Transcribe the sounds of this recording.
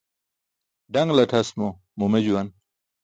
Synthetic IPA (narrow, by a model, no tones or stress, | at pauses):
ɖɐŋɡlɐʈʰɐsmo | mumed͡ʑuwɐn